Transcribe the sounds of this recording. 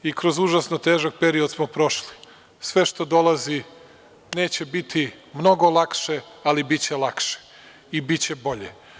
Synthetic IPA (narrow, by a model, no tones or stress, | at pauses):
ikɾo̞zuʒasnot̪e̞ːʒak̚pe̞ɾiod̪smopɾo̞ʃli̥ | sʋe̞ʃt̪o̞d̪o̞lˠazi | ne̞ːt͡ɕe̞bit̪ʰi | mno̞ɡo̞lˠakʃe̞alibit͡ɕelˠakʃe̥ | ibit͡ɕe̞bo̞ʎe